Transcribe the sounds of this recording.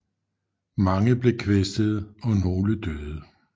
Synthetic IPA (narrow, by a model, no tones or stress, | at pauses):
mɑ̈ŋəb̥le̝kʰʋesd̥əð̞̩ˠɒ̽no̝ːləd̥øðˠə